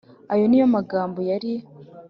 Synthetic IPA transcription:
ajo̞nijo̞maɡaːmbo̞jaɾi

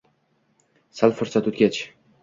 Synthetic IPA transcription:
salˠfʊɾsat̪ot̪ɡʲat͡ʃ

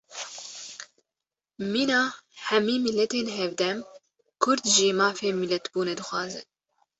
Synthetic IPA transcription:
miːnɑːhɛmiːmilːɛt̪eːnɦɛvd̪ɛm | kʰʊɾd̪ʒeːmɑːfeːmilɛt̪buːnɛd̪ɨxʷwɑːzɨn

